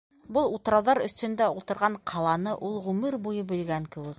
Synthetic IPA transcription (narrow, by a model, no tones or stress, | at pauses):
bolˠut̪̆ɾɑlˠðɑɾɵ̆st̪ɵ̆nd̪æulˠt̪ɤ̆ɾʁɑɴqʰɑlˠɑnɤʔulˠʁʉmɘɾbujɤbɘ̆lɡæŋkɘ̆wɘ̆k̚